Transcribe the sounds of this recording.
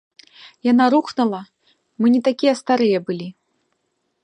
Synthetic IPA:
janaɾuxnɐlˠɐ | mɨnʲɛt̪akʲijɛst̪aɾɨjɛbɨlʲi

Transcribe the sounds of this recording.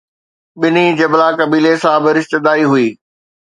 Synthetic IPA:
ɓɪnid͡ʑɐblakɐbiːlesãbɪɾɪʃt̪ɪd̪aːiɦʊiː

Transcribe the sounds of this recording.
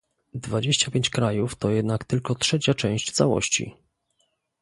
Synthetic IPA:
d̪vad͡ʑeɕt͡ɕapʲeɲt͡ɕkɾajuft̪ɔjɛd̪nakt̪ɘlkɔtʂɛt͡ɕat͡ʂɛ̃w̃ɕt͡ɕt̪sawɔ̰ɕt͡ɕḭ

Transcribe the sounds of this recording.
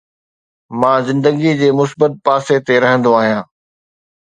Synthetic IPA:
mãːzɪ̃nd̪əɡid͡ʑeːmʊsbət̪̚paːset̪eɾɐɦə̃nd̪oaːɦijãː

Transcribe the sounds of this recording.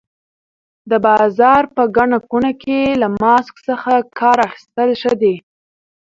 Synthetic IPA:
d̪əbɑzɑɾpəɡaɳakunakelamɑsksəxakʰɑɾaxi̥st̪əlʃəd̪e

